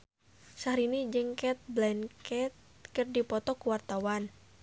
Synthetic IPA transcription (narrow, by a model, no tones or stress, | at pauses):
saɾinid͡ʒəŋkɛt̪̚blɛnkɛt̪̚ | kərdipɔt̪ɔkuwart̪awan